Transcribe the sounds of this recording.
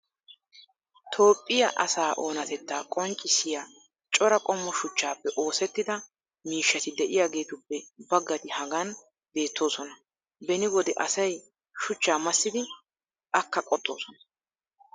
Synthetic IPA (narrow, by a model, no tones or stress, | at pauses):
t̪ʰo̞ːpʼːɪjɐ̰ʔɐsaːʔo̞ːnɐt̪ɛt̪ːaːkʼɔnt͡ʃʼːɪsɪja | t͡ʃʼɔɾɐkʼɔmːɔʃʊt͡ʃːaːpːɛʔo̞ːsɛt̪ːɪd̪ɐ | miːʃːɐt̪ɪd̪ɛʔɪjaːɡe̞ːt̪ʊpːɛbɐɡːɐt̪ɪhɐɡɐn | be̞ːt̪ːo̞ːsɔnɐ | bɛnɪwɔd̪ɛʔɐsɐj | ʃʊt͡ʃːaːmɐsːɪd̪ɪ | ʔɐkːɐkʼɔt̪ʼːo̞̰ːsɔnɐ̥